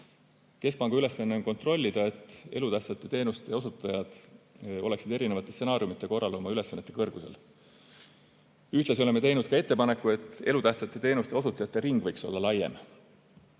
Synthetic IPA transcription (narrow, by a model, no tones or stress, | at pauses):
ke̞s̚pɑŋɡ̥ɑyle̞sːɑnːe̞o̞nko̞nt̪ro̞lʲːid̪̥ɑe̞t̪ːˑe̞lut̪æht̪sɑt̪ːˑe̞t̪e̞ːnust̪e̞o̞sut̪ːˑɑjɑd̪̥o̞le̞ksid̪e̞ɾine̞vɑt̪ːˑe̞sse̞nɑːɾijumit̪ːˑeko̞rːɑlo̞mɑyle̞sːɑnːet̪ːˑe̞kɤrɡ̥usḛl | yht̪les̬io̞le̞met̪e̞jnud̪̥kɑe̞t̪ːe̞pɑne̞kːˑue̞t̪ːˑe̞lut̪æht̪sɑt̪ːˑe̞t̪e̞ːnust̪e̞o̞sut̪ːˑɑjɑt̪ːˑe̞ɾiŋɡ̥vɤ̞jkso̞lːɑlɑjːe̞̰m